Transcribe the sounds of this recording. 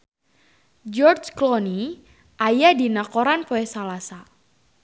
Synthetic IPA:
d͡ʒɔrd͡ʒklɔni | ʔajadinakoɾanpoɛsalasa

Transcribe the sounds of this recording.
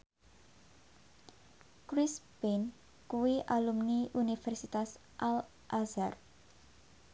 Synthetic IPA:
kɾispin | kuwiʔalumniʔunifɛrsit̪as | ʔal | ʔazar

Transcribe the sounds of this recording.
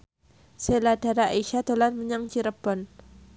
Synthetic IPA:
seladaɾaaiʃat̪olanməɲaŋt͡ʃiɾəbɔn

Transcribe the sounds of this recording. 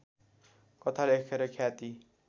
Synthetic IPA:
kʌt̪ʰalekʰeɾʌkʰjat̪i

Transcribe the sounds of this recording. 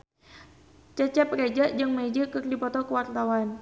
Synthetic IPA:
t͡ʃɛt͡ʃɛp̚red͡ʒaʔd͡ʒɨŋmed͡ʒəkɨrdipɔt̪ɔkəwart̪awan

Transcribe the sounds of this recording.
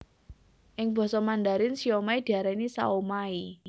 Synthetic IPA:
ʔɪŋb̥ɔ̤sɔmand̪aɾɪnsiɔmaid̪̥iaɾɛnisa̰omai

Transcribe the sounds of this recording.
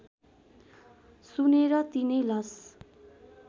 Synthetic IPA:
suneɾʌt̪inʌjlʌs

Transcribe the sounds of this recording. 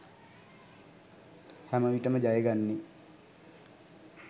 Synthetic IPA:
hæməʋiʈəməd͡ʒajeɡanːi

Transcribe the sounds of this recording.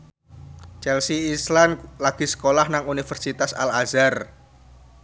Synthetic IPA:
t͡ʃɛlsiːslanlaɡ̥i̤sə̥kolahnaŋunifərsit̪asa̰lazar

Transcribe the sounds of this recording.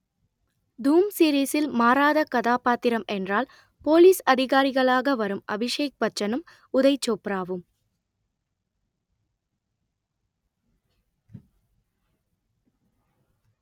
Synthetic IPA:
d̪uːmsiːɾiːsɪlmaːɾaːðɐkɐðaːpaːt̪ɪɾɐmʔɛndraːl | poːliːsɐðɪɣaːɾɪɣɐɭaːɣɐʋɐɾɯmʔɐ̰bɪʂeːk̚pɐt͡ʃːɐnɯm | ʊðɐɪt͡ʃːoːpɾaːʋɯm

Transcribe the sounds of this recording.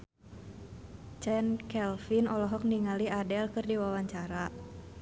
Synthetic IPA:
t͡ʃɛnkɛlfinɔlɔɦɔk̚niŋaliadɛlkɨrdiwawaɲt͡ʃaɾa

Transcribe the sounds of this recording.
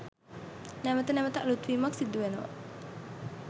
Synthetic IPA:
nɛmət̪ənɛmət̪əʔlut̪wimaksid̪uenə̰

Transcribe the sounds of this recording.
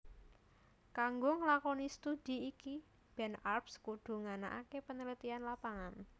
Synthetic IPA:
kaŋɡʊŋlakɔnist̪ud̪̥i̤ːki | b̥ɛnarpskud̪̥ṳŋanaʔa̰kepənəlit̪ianlapaŋan

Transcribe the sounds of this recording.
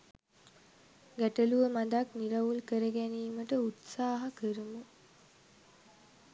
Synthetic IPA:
ɡæʈəluʋəmad̪akniɾaʋulkəɾəɡæniːməʈəut̪saːɦakəɾəmə

